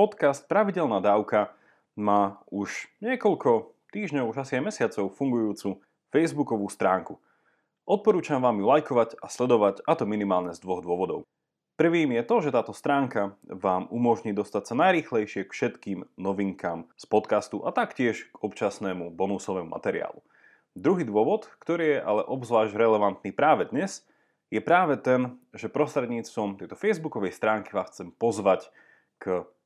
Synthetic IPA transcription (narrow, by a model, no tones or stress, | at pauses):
pɔt̪kast̪̚pɾaʋiɟɛlnaːd̪aːʊka | maːuʃɲɪɛkɔʎkʰɔ | t̪iːʒɲɔʊuʒasiajmɛsɪat͡sɔʊfuŋɡujuːt͡su | fɛjzbukɔʋuːst̪ɾaːŋku | ʔɔt̪̚pɔɾuːt͡ʃamʋaːmjulajkɔʋaɟaslɛd̪ɔʋaɟat̪ɔminimaːlɲɛzd̪ʋɔɣd̪ʋɔʋɔd̪ɔ̰ʊ | pr̩ʋiːmjɛt̪ɔʒɛt̪aːt̪ɔst̪ɾaːŋkaʋaːmumɔʒɲiːd̪ɔst̪acsanajɾiːxlɛjʃɪɛkfʃɛt̪kiːmnɔʋiŋkaːmspɔt̪kast̪uʔat̪akcɪɛʃɡ̥ɔpt͡ʃasnɛːmubɔnusɔʋɛːmuma̰t̪ɛɾɪa̰ːlṵ | d̪ɾuɦiːd̪ʊɔʋɔt̪kt̪ɔɾiːjɛʔalɛʔɔbzʋaːʒɟɾɛlɛʋant̪nipɾaːʋɛd̪ɲɛz | jɛpɾaːʋɛt̪ɛnʒɛpɾɔst̪ɾɛd̪ɲiːt͡st̪ʋɔmt̪ɛjt̪ɔfɛjzbukɔʋɛjst̪ɾaːŋkiʋaːxt͡sɛmpɔzʋac | kə